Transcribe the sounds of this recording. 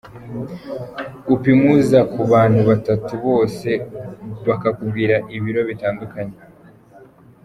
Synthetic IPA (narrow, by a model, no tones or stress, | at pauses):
upimuzakuβaːn̥huβatatuβo̞ːse̞βakakubɡiɾaʔiβiɾo̞βitaːndukaɲe